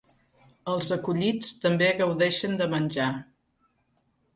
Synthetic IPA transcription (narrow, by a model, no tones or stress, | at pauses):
əlˠzəkuʎit͡st̪əmbeɣəwðɛʃənd̪əmənʲd͡ʒa